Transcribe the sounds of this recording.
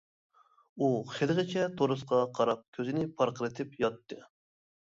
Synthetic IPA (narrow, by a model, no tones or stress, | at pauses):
uχelɨʁɨt͡ʃʰɛt̪ʰoɾɨsqɑqʰɑɾɑp̚kʲʰøzɪnɪpʰɑɾqəɾɨt̪ʰɪpjɑt̪ːɨ